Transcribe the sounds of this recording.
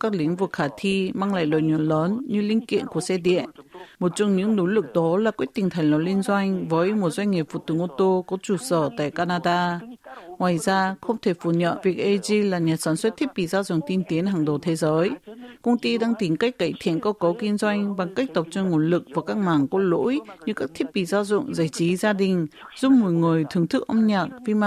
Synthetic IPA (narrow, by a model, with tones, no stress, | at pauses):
kaː˦˥k̚lï˨˦ŋ̟vɨ˨˩k̚xaː˧˩t̪ʰi˧maː˧ŋla̰ː˧˨jlə̰ː˧˨˩jɲɔ˨˧˩nləː˨˦nɲɨ˧lï˧ŋ̟kḭ˧˨ənku˧˩əsɛ˧ɗḭ˧˨ənmo˨˩t̚t͡ɕɔ˧wŋ͡mɲɨ̰˧˥ŋno˨˦lɨ˨˩k̚ɗɔ˨˦laː˨˩kwi˦˥ət̚t̪ï˨˩ŋ̟t̪ʰa˨˩ŋ̟lɔ˨˦li˧nzwa˧jŋ̟vəː˨˦jmo˨˩t̚zwa˧ŋ̟ŋi˨˩p̚fṵ˧˩t̪ɨ˨˧˩əŋʔo˧t̪o˧kɔ˨˦t͡ɕu˧˩səː˧˩t̪a̰ː˧˨jkaː˧naː˧ɗaː˧ | ŋwaː˨˩jzaː˧xə˧wŋ͡mt̪ʰe˧˩fu˧˩ɲə̰˧˨nvi˨˩ək̚ʔe˧zi˧laː˨˩ɲa˨˩t̚saː˨˩nswə˦˥t̪̚ʰi˦˥p̚ɓḭ˧˨zaː˧zʊ̰˧˨ŋ͡mt̪i˧nt̪i˨˦ənɦaː˨˩ŋɗo˨˩t̪ʰe˨˦zəː˨˦jkə˧wŋ͡mt̪i˧ɗaː˧ŋt̪i˨˦ŋka˦˥jk̟̚ka̰ː˧˨jt̪ʰḭ˧˨ənkə˧wkə˨˦wki˧nzwa˧jŋ̟ɓa˨˩ŋka˦˥k̟̚t̪ə˨˩wp̚t͡ɕɔ˧ŋo˧˩nlɨ˨˩k̚vaː˨˩kaː˦˥k̚maː˨˩ŋkɔ˨˦lo̰˧˥jɲɨ˧kaː˦˥k̚t̪ʰi˦˥p̚ɓḭ˧˨zaː˧zʊ̰˧˨ŋ͡mzaː˧˩jt͡ɕi˨˦zaː˧ɗï˨˩ŋ̟ | zu˦˥p̚mo˨˩jŋɨ˨˩əjt̪ʰɨ˨˩əŋt̪ʰɨ˦˥k̚ʔə˧ŋ͡mɲaː˨˩t̚vi˧ma˧